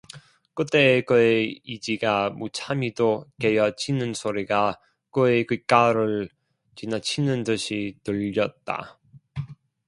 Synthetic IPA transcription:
k͈ɯt͈ekɯeid͡ʑiɡamut͡ɕʰamidoke̞jʌt͡ɕʰinɯnsʰoɾiɡa | kɯekɯk͈aɾɯɭ | t͡ɕinat͡ɕʰinɯntɯɕʰitɯʎːʌt̚t͈a̰

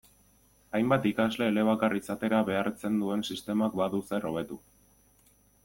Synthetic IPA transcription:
ajmbat̪ikazle̞ːle̞β̞akarisat̪e̞ɾaβe̞aɾt͡se̞nd̪ue̞nsist̪e̞makbaðuse̞ro̞β̞e̞t̪u

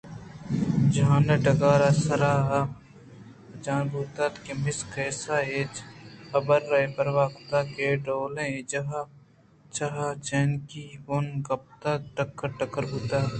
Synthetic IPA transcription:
d͡ʒãːneʈɐɡaːɾasəɾaːɦ | d͡ʒaːnbʱuːt̪aːt̪kemɪskʰeːsaːeːt͡ʃɐbəɾːɐepəɾʋaːkt̪aːkeɖoːlẽd͡ʒɐɦa | t͡ʃaɦat͡ʃeːnkiboːnɡɐp̚t̪akʈəkːəɾʈəkəɾɦuːt̪aːɦ

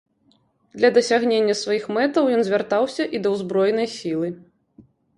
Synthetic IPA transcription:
d̪lʲɐd̪ɐsʲaɣnʲenʲːɐsvajixmɛt̪ɐwjɔnzʲvʲart̪awsʲɐʔid̪ɐwzbɾɔjnɐjsʲilˠɨ

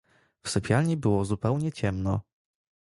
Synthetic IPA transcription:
fsɛpʲjalɲibɘwɔzupɛwɲɛt͡ɕɛmnɔ

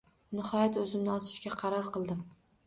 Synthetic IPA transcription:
nɪhɒjat̪ɵzɪmnɪɒt͡ʃ̪ʰɪ̥ʃkʲaqʰɑɾɒɾqɨlˠd̪ɪm

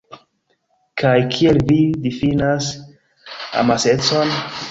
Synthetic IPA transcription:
kʰajkʰielvidifinas | a̰mase̞t͡so̞n

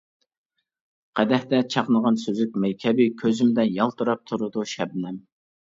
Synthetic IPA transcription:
qʰæd̪ɛht̪ɛt͡ʃʰɑqnəʁɑnsøzyk̚ʲmɛjkʲʰɛbɪkʲʰøzymd̪ɛjɑlˠt̪ʰuɾɑp̚t̪ʰuɾɨd̪uʃɛbnɛm

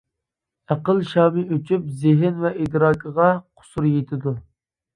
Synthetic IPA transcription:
æqəlˠʃɑːmɪøt͡ʃʰyp̚zɪɦɪnvɛʔid̪ɾɑːkʰəʁɑqʰʊ̥suɾjet̪ʰɪd̪u

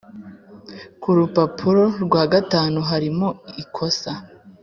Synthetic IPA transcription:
kuɾupapʰuɾo̞ɾɡwaːɡataːnuɦaɾimoikʰo̞sa

